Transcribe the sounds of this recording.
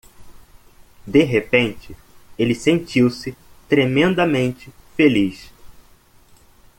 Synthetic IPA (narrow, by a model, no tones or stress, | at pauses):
d̪eɦepẽnt͡ʃɪ | elɪsẽnt͡ʃiwsɪt̪ɾemẽnd̪ɐmẽnt͡ʃɪfeliʃ